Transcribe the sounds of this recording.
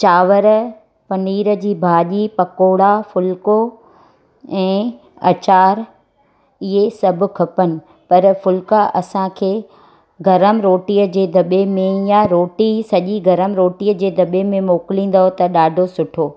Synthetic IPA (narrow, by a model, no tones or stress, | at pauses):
t͡ɕaːʋəɾ | pɐniːɾəd͡ʑiːbʱaːʄipɐkoːɽafʊlko | ɛ̃ː | ɐ̰t͡ɕaːɾ | ɪɦesɐbʱʊ̆kʰɐpənɪ̆ | pɐɾfʊlkaʔɐsãkʰeː | ɡɐɾəmɾoːʈijəd͡ʑeːd̪ʱɐɓemẽjaɾoːʈisɐʄiɡɐɾəmɾoːʈiːəd͡ʑeːd̪ʱɐɓemẽmoːkɪlĩːn̆d̪aɦot̪ɐɗaːɖʱosʊʈʰoː